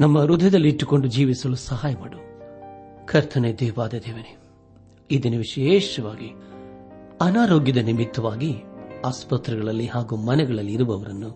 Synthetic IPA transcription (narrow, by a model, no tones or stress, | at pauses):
nɐmːɐɾud̪ʱɐd̪ɐlːiːʈːuko̞ɳɖud͡ʒiːʋisɐlusɐɦaːjɐmaːɽu | kʰɐɾt̪ʰɐned̪eːʋaːd̪ed̪eːʋɐne | id̪inɐʋiʂɐjeːʂɐʋaːɡi | ɐnaːɾo̞ːɡjɐd̪ɐnimit̪ːɐʋaːɡiaːspɐt̪ɾiɡɐɭɐlːihaːɡuːmɐnɛɡɐɭɐlːiːɾuʋɐʋɐɾɐnːu